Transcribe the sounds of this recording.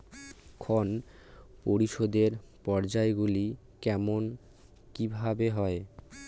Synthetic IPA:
kʰonpoɾiʃod̪eɾpɔɾd͡ʑaeɡuli | kɛmon | kibʱabeɦɔe

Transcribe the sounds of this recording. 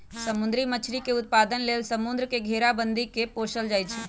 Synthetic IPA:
səmʊnd̪ɾimət͡ʃʰɾikeʊt̪̚paːd̪ənleːlsəmʊnd̪ɾəkeɡʱeːɾabənd̪ikepoːʃəld͡ʒaːjt͡ʃʰɛ

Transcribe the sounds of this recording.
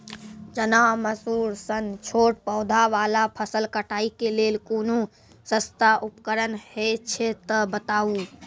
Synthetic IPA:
d͡ʒənaməsuːɾsənt͡ʃʰoʈpɔʊd̪ʱaʋalapʰəsəlkəʈaikelelkoːno | sə̃st̪aʔupkəɾənhet͡ʃʰet̪əbət̪au

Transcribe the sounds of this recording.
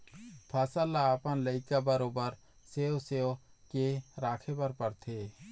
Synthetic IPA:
pʰɛsəlaːpənləɪkabəɾoːbəɾ | seːoseːokeɾaːkʰebɐɾpɐɾt̪ʰeː

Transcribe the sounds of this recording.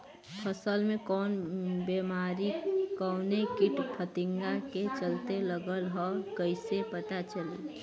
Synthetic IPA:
pʰəsəlmẽkɔːnbemaɾikɔwnekiʈpʰət̪iŋɡaket͡ʃəlt̪eləɡəlɦɔkəɪsepət̪at͡ʃəli

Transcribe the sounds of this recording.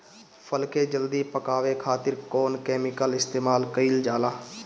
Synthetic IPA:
pʰəlkeːd͡ʒəld̪iːpəkaːʋekʰaːt̪ɪɾkoːnkɛːmɪkəlɪst̪eːmaːlkəild͡ʒaːlaː

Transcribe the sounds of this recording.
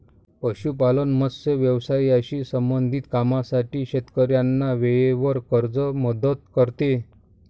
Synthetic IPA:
pəɕupalənməsəʋjəʋsajaɕiːsəmbənd̪ʱit̪kamasaʈiːɕet̪kəɾjanːaʋeɭeʋəɾkəɾd͡zəməd̪ət̪̚kəɾt̪e

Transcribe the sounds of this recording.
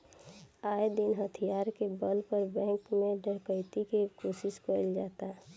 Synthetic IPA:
aːed̪ɪnɦət̪ʰijaːɾkebəlpəɾbɛ̃ːŋkmẽɖʱəɽkəɪt̪ikekoːsɪskəld͡ʒaːt̪a

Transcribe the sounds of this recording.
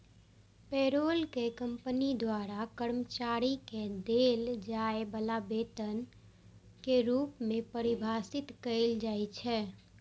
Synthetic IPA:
peːɾoːlkekə̃mpənid̪waɾakəɾmət͡ʃaɾiked̪eːld͡ʒaebəlabeːt̪ən | keɾuːpmẽpəɾɪbʱaːsɪt̪kəɪld͡ʒaːjt͡ʃʰɛː

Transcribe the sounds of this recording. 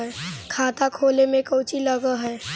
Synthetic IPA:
kʰaːt̪akʰoːlemẽkəʊt͡ʃiləɡəɦɛ

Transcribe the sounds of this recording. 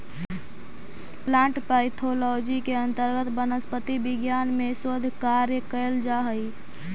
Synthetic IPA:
plãɳʈpaɪt̪ʰolɔd͡ʒikeənt̪əɾɡət̪bənəspət̪ibiɡjanmesod̪ʱkaɾjəkəld͡ʒaɦəj

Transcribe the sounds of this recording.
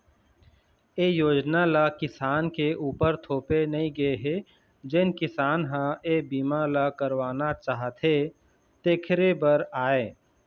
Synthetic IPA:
eːjoːd͡ʒnalakɪsaːnkeʔuːpəɾt̪ʰoːpenɐɦĩɡɐeɦe | d͡ʒɪnkɪsaːnɦãeːbiːmalakəɾwaːnat͡ʃaːɦət̪ɦe | t̪eːkʰɪɾebəɾaːeː

